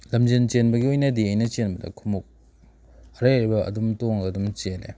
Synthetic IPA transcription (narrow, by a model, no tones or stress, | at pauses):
lɐmd͡ʒent͡ʃenbɐɡiojnɐdiɐjnɐt͡ʃenbɐdɐ̰kʰumuk̚ | ɐɾaɾibɐɐ̰dumtoŋɡɐdumt͡ʃelḛ